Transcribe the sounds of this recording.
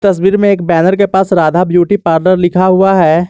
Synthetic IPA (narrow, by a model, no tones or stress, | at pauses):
t̪ɐs̬wiːɾmẽeːkbɛːnəɾk̬epaːsɾaːd̪ʱabjuːʈipaːɾnəɾlɪkʰaɦʊaɦɛː